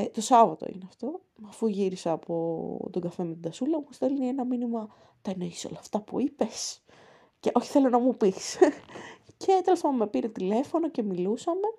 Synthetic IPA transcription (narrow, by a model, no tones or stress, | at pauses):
t̪o̞sɐvɐt̪o̰ḭneɐft̪o̞mːfuʝiɾisɐːpo̞t̪oɡɐfe̞met̪d̪ɐsulɐust̪elinienɐminimɐ | t̪ɐeneçi̥so̞̰lɐːft̪ɐpṵipe̞s | ceʔo̞çi̥θe̞lo̞nɐmupis | cʰe̞t̪elespɐmmepiɾet̪ile̞fo̞no̞ce̞milusɐme̞